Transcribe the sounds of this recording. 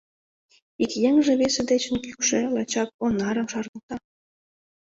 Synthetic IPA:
ikjeŋʒĕβesĕd̪et͡ɕə̆nkykʃĕlɑt͡ɕɑk̚onɑɾə̆mʃɑrnɤ̆t̪ɑ

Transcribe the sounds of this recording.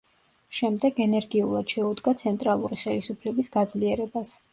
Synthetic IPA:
ʃɛmd̪ɛɡɛnɛɾɡiulˠad̪̥ʃɛud̪ɡat̪sʰɛnt̪ʼɾalˠuɾiχɛlisupʰlɛbisɡ̥ad̪zliɛɾɛbas

